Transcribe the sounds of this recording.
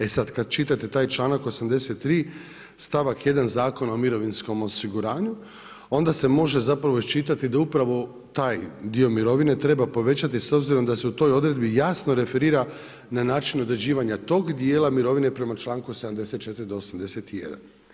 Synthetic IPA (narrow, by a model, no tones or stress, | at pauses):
e̞sad̪kad̪t͡ʃit̪at̪e̞t̪aːjt͡ʃlˠaːnako̞samd̪e̞set̪ːɾiː | st̪aʋakje̞d̪anzaːko̞nao̞miɾo̞ʋinsko̞mo̞siɡuɾaːɲu | o̞nd̪ase̞mo̞ʒe̞zapɾaʋoist͡ʃit̪at̪id̪aupɾaʋo̞ | t̪aːjd̪io̞miɾo̞ʋine̞t̪ɾe̞bapo̞ʋe̞t͡ɕat̪iso̞bziɾo̞md̪ase̞ut̪o̞jo̞d̪ɾe̞d̪bijasno̞ɾe̞fe̞ɾiːɾa | nanaːt͡ʃino̞d̪ɾed͡ʑiːʋaɲat̪o̞ːɡd̪je̞ːlˠamiɾo̞ʋine̞pɾe̞mat͡ʃlˠaːŋkused̪amd̪e̞se̞t̪̚t͡ʃe̞t̪iɾid̪o̞ːsamd̪e̞se̞t̪ije̞̰d̪a̰n